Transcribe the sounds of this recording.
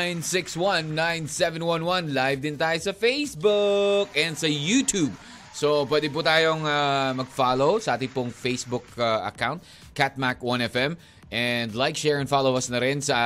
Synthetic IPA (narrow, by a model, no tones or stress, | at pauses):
ajnsɪkswɐ̃nːãjnsɛvɛ̃nwɐ̃nwɐnlajvd̪ɪnt̪aːjosɐfejsbʊkɛnd̪sɐjuːt̪ʰub̚ | sopwɛːd̪ɪp̬uːt̪aːjoŋamɐɡ̚faːlowsɐʔaːt̪ɪŋpʊŋfejsbʊkaʔɐ̰kawnt̪̚ | kat̪̚makwɐ̃nɛfɛm | ʔɛnd̪lajk̚ʃɛːɹɛ̃nfalowɐsnɐɾɪnsɐ